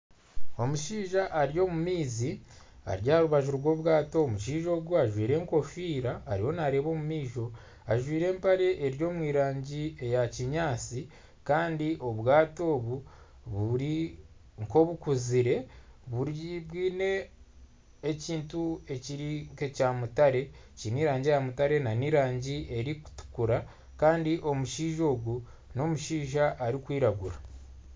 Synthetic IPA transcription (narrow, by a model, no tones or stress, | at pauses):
o̞muʃiːʒaʔːɾijo̞mumiːzi | a̰ɾjaɾuβaʒuɾɡwo̞ːβwaːto̞ːmuʃiːʒo̞ːɡuaʒwiːɾe̞ːŋko̞fiːɾaːɾiho̞naɾeːβo̞ːmumiːʒo̞ | aʒwiːɾe̞ːmpaɾe̞ʔeɾjo̞ːmwiːɾaːɲɟie̞jaciɲaːt͡si | kaːndiʔo̞βwaːto̞ːβu | βuɾi | ŋko̞βukuziɾe̞βuɾβwiːne̞ | ciːntue̞ciɾikecaːmutaɾe̞ | ciniːɾaːɲɟiejamutaɾe̞naniːɾaːɲɟiʔe̞ɾiku̥tu̥kuɾa | kaːndiʔo̞muʃiːʒo̞ːɡu | no̞muʃiːʒaʔːɾikwiːɾaɡuɾa